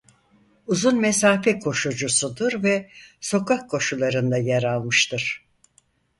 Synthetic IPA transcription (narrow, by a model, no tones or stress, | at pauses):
uzunmesaːfɛkʰo̞ʃud͡ʒusud̪ɯɾvɛso̞kʰahkʰːo̞ʃulˠaɾɯnd̪ajaɾalˠmɯʃt̪ɯɾ̥